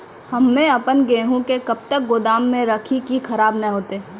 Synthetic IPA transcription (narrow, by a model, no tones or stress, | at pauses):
hɐmːɛ̃ɐpənɡeɦũkekɐb̚t̪ək̚ɡod̪aːmːẽɾɐkʰikixʰɐɾaːbnɐɦoːt̪eː